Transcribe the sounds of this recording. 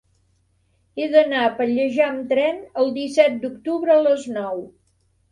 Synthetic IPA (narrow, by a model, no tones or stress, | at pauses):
eðənaəpəʎəʒaəmt̪ɾɛnəlˠd̪isɛt̪̚d̪uk̚t̪uβɾəələznɔw